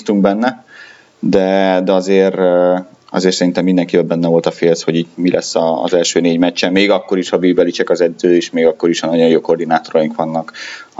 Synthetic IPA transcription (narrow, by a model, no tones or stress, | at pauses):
t̪uŋɡbɛnːɛ | d̪ɛd̪ɛɒzeːr | ɒ̰zeːrtsɛɾint̪ɛmːind̪ɛŋkivɛlbɛnːɛvo̞lt̪ɒfeːlsho̞ɟiːt̪milʔɛsːɒ̰zɛlʃøːneːɟmɛt͡ʃːɛmeːɡɒkːo̞ɾiʃhɒbiːbɛlit͡ʃɛkɒzɛd̪zøːeːʃmeːɡɒkːo̞ɾiʃɒnɒɟo̞joːko̞rd̪inaːt̪o̞ɾɒjiŋkʋɒnːɒk